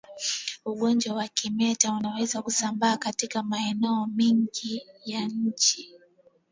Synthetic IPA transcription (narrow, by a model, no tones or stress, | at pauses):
uɠɔnd͡ʒwawakimɛtaunawɛzakusambaːkatikamaɛnɛɔmiŋɡijaɲ̩t͡ʃi